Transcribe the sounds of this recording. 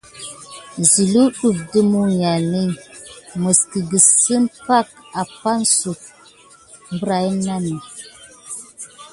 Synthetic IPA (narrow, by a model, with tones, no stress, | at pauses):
zi˨lu˦ɗu˨p̚də˦mu˦ja˨ni˦mə˨ski˨ɡə˨sə˦mpa˦k̚a˨pa˦nsu˨t̚ | mbə˦ɾa˨i˦na˦ni˨